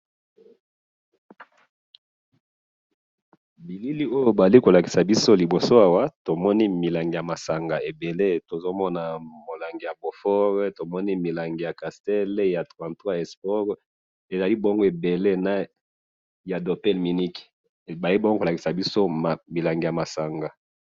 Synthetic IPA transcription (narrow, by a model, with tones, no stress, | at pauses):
bi˨li˦li˦o˦jo˦ba˨zli˦ko˨la˨ki̥˨sa˨bi˦so˦li˨bo˨so˦a˨wa˦to˨mɔ˦ni˦mi˨la˨ŋɡi˨ja˨ma˨sa˨ŋɡa˨e˨be˨le˦to˨zo˦mɔ˦na˨mo˨la˨ŋɡi˨ja˨bo˨fɔ˦ʁto˨mɔ˦ni˦mi˨la˨ŋɡe˨ja˨ka˨stɛ˦lja˨tʁwã˨twa˦ɛ˨spɔ˦ʁ | e˨za˨li˦bo˦ŋɡo˦e˨be˨le˦na˦ | ja˨do˨pɛ˦lmi˨ni˦k | ba˨li˦bo˦ŋɡo˦ko˨la˨ki̥˨sa˨bi˦so˦˨mi˨la˨ŋɡe˨ja˨ma˨sa˨ŋɡa˨